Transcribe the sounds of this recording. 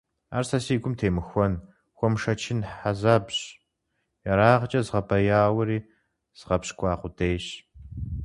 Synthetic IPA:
a̰ːrsɐsiːɡʷʊmtʰeːmɨxʷɔn | xʷɔmʂɐt͡ʃʰɪnħazaːbɕ | jɐɾaːʁət͡ʃʼɐzʁɐbʰɐjaːwɐɾiː | z̥ʁɐpɕkʷʰʼɑːqʷʊdeːɕ

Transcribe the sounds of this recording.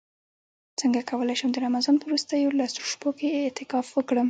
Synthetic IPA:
t͡səŋɡakʰawəlajʃəmd̪əɾamazɑnpəwɾust̪əjolɑsuʃpokeːt̪ɪkɑfwəkɽəm

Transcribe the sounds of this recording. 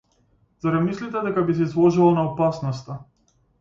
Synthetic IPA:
zaɾamislit̪ɛd̪ɛkabis̬ɛizlˠɔʒuvalˠnaɔpasnɔst̪a

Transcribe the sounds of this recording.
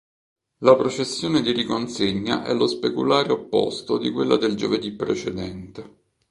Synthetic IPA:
lapɾot͡ʃesːjoːned̪irikonseɲːa̰ʔɛ̰lːospekṵlaːɾeopːo̰st̪od̪ikwelːad̪eld͡ʒoved̪ipːɾḛt͡ʃed̪ɛnt̪e

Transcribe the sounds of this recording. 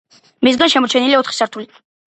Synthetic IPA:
mis̬ɡanʃɛmɔt͡ʃʰɛniliaɔt̪ʰχi̥saɾt̪ʰuli

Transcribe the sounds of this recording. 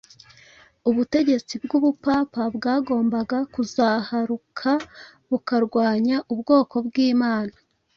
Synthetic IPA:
uβute̞ɟe̞t͡sib̚ɡuβupaːpabɡaːɡo̞ːmbaɡakuzahaɾukʰa | βukaɾɡwaːɲaʔubɡo̞ːko̞bɡiːmaːnḁ

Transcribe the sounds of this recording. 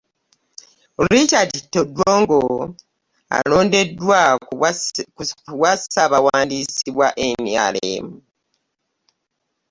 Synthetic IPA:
ɾit͡ʃaditːodwoːŋɡo | a̰lo̞ːnde̞dːwa | wasaβawaːndisiβwaʔe̞mja̰lḛmu

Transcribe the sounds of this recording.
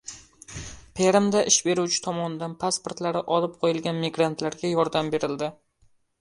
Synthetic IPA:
pʰeɾɪmd̪aʔɪʃbe̞ɾuwt͡ʃʰɪ̥t̪ʰɒmɒnɪd̪anpʰaspoɾt̪laɾɪʔɒlɪp̚qʰojɪlˠɡʲanmiɡɾant̪laɾɡʲajɒɾd̪ambe̞ɾɪld̪ɪ

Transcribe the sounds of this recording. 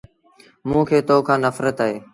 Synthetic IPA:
mũːkʰeːt̪oːkʰãːnəfɾət̪aɦeː

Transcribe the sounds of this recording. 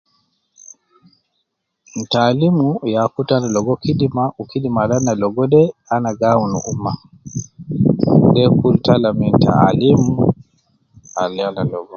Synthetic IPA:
n̩talimujakutanalɔɡɔkidimaukidimalanːalɔɡɔdɛanaɡawnṵʔumːa | dɛkultalaminta̰limu | alianalɔɡɔ

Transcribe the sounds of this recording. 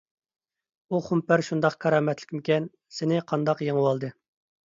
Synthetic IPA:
uχumpæɾʃund̪ɑqkʰɑɾɑːmɛt̪lɪkʲmɪkʲɛn | sɪnɪqʰɑnd̪ɑqjeŋəwɑlˠd̪ɨ

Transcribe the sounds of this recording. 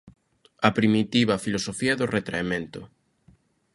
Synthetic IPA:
ɐpɾimit̪iβ̞ɐfilosofiɐðʊret̪ɾa̰emẽnt̪ʊ

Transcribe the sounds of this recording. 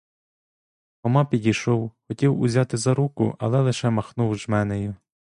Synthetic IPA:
ɔmɑpʲidʲijʃɔwxɔtʲiwʊ̰zʲɑt̪ɪzɐɾukʊ̰ʔɐ̰lˠɛlˠɪʃɛmɐxnuwʒmɛnejʊ

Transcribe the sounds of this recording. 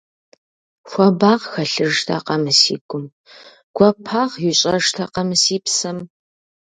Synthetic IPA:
xʷɔbaːʁxɐɬɨʐtʰa̰qɐmɨsḭːɡʷʼʊm | ɡ̥ʷɔpʰaːʁjɪɕʼɐʐtʰaqɐmɨsiːpsɐm

